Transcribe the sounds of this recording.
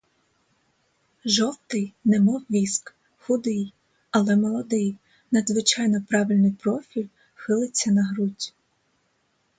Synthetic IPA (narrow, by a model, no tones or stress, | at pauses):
ʒɔwt̪ɪjnɛmɔwʋʲisk | xʊd̪ɪj | ɐlˠɛmɔlˠɔd̪ɪj | nɐd̪zʋɪt͡ʃɑjnɔpɾɑʋɪlʲnɪjpɾɔfʲilʲ | xɪlˠɪt͡sʲːɐnɐɦɾutʲ